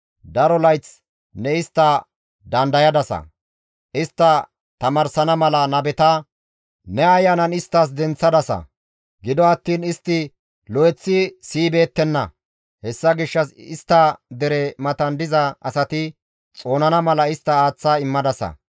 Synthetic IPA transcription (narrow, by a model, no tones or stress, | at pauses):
d̪ɐɾɔlɐjt͡s | nɛɪst̪ːɐ | d̪ɐnd̪ɐjɐd̪ɐsɐ̰ | ʔɪst̪ːɐ | t̪ɐmɐɾsɐnɐmɐlɐnɐbɛt̪ɐ | nɛɐjːɐnɐnɪst̪ːɐs̬d̪ɛnt͡sːɐd̪ɐsɐ̰ | ɡɪd̪ɔɐt̪ːiːnɪst̪ːɪ | lɔjɛt͡sːɪsiːbe̞ːt̪ːɛnːɐ̰ | hɛsːɐɡɪʃːɐsɪst̪ːɐd̪ɛɾɛmɐt̪ɐnd̪ɪzɐɐsɐt̪ɪ | t͡sʼo̞ːnɐnɐmɐlɐɪst̪ːɐaːt͡sːaɪmːɐd̪ɐsɐ̰